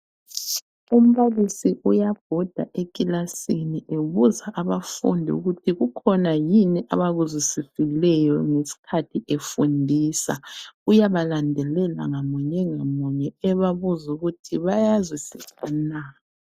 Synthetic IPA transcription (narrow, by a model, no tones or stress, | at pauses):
um̩βalisiʔujaɡ̥ʱɔd̥ʱa̰ʔekʼilasiniʔeβuzaʔaβafṵndʱiṵɣutʰiɣukʰɔnajiniʔaβaɣuzwisisilɛjɔŋesi̥kʰatʰiʔefundʱiːsaujaβalandʱɛlɛla̰ŋamuɲɛŋamuɲɛɛβaβuzuɣutʰiβajazwisisanaː